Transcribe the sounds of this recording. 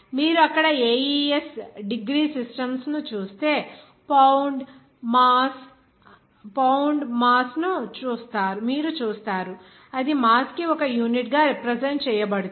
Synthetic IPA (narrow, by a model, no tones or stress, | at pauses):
miːɾuɐkːɐɽɐeːjiesɖiɡɾiːsisʈɐmsnut͡ʃuːst̪e̞ː | pɐwɳɖ | maːs | pɐwɳɖmaːsnut͡ʃuːst̪aːɾumiːɾut͡ʃuːst̪aːɾu | ɐd̪imaːskiɔkɐjuːniʈɡaːɾipɾezeɳʈ̚t͡ʃɛːjɐbɐɽut̪